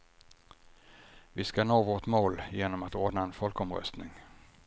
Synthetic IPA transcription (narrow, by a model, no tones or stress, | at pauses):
vɪskanoːvoʈmoːljeːnɔmat̪oːɖnaɛnfɔlkɔmɾœ̰st̪nɪŋ